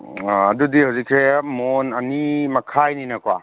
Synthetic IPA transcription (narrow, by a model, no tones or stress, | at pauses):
ɐdudihawzikʰɾemonɐnimɐkʰajninɐkwa̰